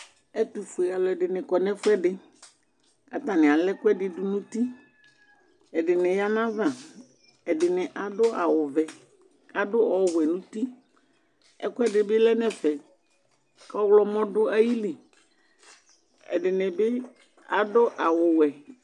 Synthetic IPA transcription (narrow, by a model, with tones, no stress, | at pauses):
ɛ˦t̪u˨fʊ˨e˨a˨lɔ˨ɛ˨ɖɪ˨nɪ̃˨kɔ˨nɛ̃˦fʊ˦ɛ˦ɖɪ˦ | a̰˨t̪a˨nɪ̃˨a˨lɛ˦kʊ˦ɛ˦dɪ˦˨dʊ˦nũ˦t̪i˦ | ɛ˨dɪ˨nɪ̃˨ja˦nã˦va˨ | ɛ˨dɪ˨nɪ̃˨ʔa˨dʊ˦a˨wʊ˨vɛ˨ | a˨dʊ˦ɔ˨˦wʷɛ˨nũ˦t̪i˦ | ɛ̰˦kʊ˦ɛ˦dɪ˨bɪ˦lɛ˦nɛ̃˨fɛ˨ | kɔ˦wlɔ˦mɔ̃˦dʊ˦a˦ji˦lɪ˨ | ɛ̰˨ɖɪ˨nɪ̃˨bɪ˦ | a˨dʊ˦ʔa˨wʊ˨wɛ˨